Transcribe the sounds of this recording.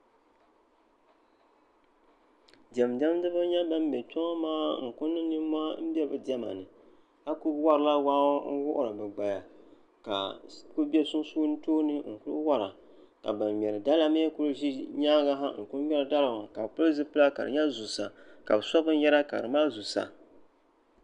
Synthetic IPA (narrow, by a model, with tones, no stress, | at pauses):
dɛ˨m˨dɛ˦m˦dɨ˦bɨ˦ɲa˦ba˦m˦bɛ˨t͡ʃɔ˦ŋa˦maː˦ŋ̩˨kʊ˦nːɨ˦nɨ˦m˦ma˦m̩˦bɛ˦bɨ˨dɛ˦ma̰˨nɨ˨ | a˦ku˦wa˦ɾɨ˨la˦wa˦n̩˦wʊ˦ʔʊ̰˦˨ɾɨ˨bɨ˨ɡ͡ba˨ja˨ | ka̰˨ku˦bɛ˦sʊ˦n˦su˦n̩˦toː˦nɨ˦ŋ̩˨kʊ˦ɨ̰˦wa˦ɾa̰˨ | ka̰˨ba˨mmɛ˨ɾɨ˨da˦la˦me˦ku˦lɨ˦ʒi˦ɲaː˦ɡa˦ɦa˦ŋ̩˨kʊ˦m˦ɛ˦lɨ˨da˦lɨ˨wa˨ka˨bpʊ˦ɨ˦zɨ˦pɨ˦la˦ka̰˨ɾɨ̰˨ɲa˦zu˨sa˨ka̰˨bɨ˨sa˦bɨ˦n˦jɛ˦ɾa˦ka̰˨ɾɨ˨maː˦zu˨sa̰˨